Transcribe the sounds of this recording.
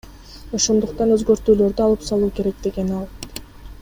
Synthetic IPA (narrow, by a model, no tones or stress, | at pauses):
o̞ʃo̞nd̪uqt̪ɑnøzɡø̞ɾt̪yːlø̞ɾd̪yɑlˠɯpsɑlˠuːke̞ɾe̞k̚d̪e̞ɡe̞nɑlˠ